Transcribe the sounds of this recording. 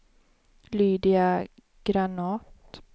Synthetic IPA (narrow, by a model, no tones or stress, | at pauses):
lyːd̪ɪa | ɡ̥ɾanɑːt̪